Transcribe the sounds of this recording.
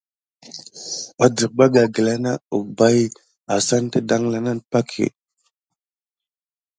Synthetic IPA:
a˨də˨k̚ba˦ɡa˨ɡə˨la˦na˦u˨ba˦j | a˨sa˦n˦tə˦da˦ŋla˨na˦npa˦kʰḛ˨

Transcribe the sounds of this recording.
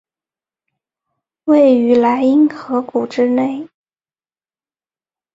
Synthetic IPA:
we˥˩ɪy˧˥la˧˥ɪi˥nxɤ˧˥ku˨˩ʈ͡ʂɻ̩˥ne˥˩ɪ

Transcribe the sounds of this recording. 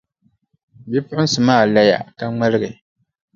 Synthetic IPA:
bi˦pʊ˦hʊ˦n̩˦sɨ˨maː˦˨la˦ja̰˨ka˨ŋ͡ma˦lɨ˦ɣɨ˨

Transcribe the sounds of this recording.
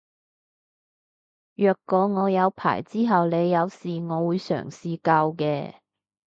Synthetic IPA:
jœː˨˧kːɔː˨˧ŋɔː˨˧jɐ˨˧wpʰa̰ː˨˩jt͡siː˥ɦɐ˨wle˨˧jːɐ˨˧wsiː˨˩ŋɔː˨˧wuː˨˧jsœ̰ː˨˩ŋsiː˨kɐ˧wkɛː˧

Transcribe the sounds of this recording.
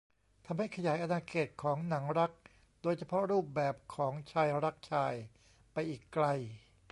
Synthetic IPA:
t̪ʰa˧mha˥˩jkʰa˧jaː˩˦jʔa˧naː˧kʰeː˨˩t̪̚kʰɔː˩˦ŋna˩˦ŋɾa˦˥k̚ | doː˧jt͡ɕʰa˧pʰɔ˦˥ɾuː˥˩p̚bɛː˨˩p̚kʰɔː˩˦ŋt͡ɕʰaː˧jɾa˦˥k̚t͡ɕʰaː˧j | pa˧jʔiː˨˩kːla˧j

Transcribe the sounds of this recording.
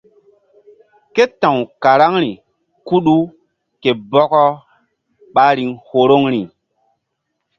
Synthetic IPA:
ke˦tã˨wka˨ɾa˦ŋɾi˨ | ku˦ɗu˦ | ke˨bɔ˦kɔ˦ | ɓa˦ɾi˨ŋho˨ɾo˦ŋɾi˨

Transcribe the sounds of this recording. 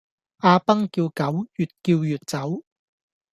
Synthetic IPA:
ʔaː˧pɐ˥ŋkiː˧wkɐ˨˥wjyː˨t̚kiː˧wjyː˨t̚t͡sɐ˨˥w

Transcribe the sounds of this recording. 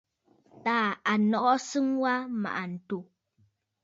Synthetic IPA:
ta˨a˨nɔ˦ʔɔ˦sə˦ŋwa˦ma̰ʔa˨n̩˨tu˨

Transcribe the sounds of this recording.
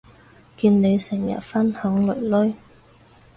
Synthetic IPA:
kiː˧nːne˨˧jsɪ˨˩ŋjɐ̰˨˩t̚fɐ˥nhœ˨˥ŋlɵ˨˩ɥlɵ˥j

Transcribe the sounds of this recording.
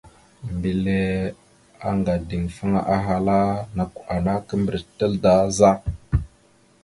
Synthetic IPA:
mbi˨le˦ | a˦ŋɡa˨di˨ŋfə˦ŋa˦ʔa˦ɦa˨la˦na˨ka˨na˦kə˦mbɾi˨tə˦lda˨˦za˦

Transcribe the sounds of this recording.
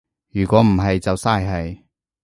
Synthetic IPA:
jyː˨˩kʷɔː˨˥m̩˨˩ɦɐ˨jt͡sɐ˨wsaː˥jɦɐ˨j

